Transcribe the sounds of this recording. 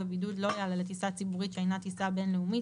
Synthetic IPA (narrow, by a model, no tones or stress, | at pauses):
ebid̪ud̪lo̞jalalet̪isat͡sibuʁit̪ʃeejnat̪isabe̞nleumi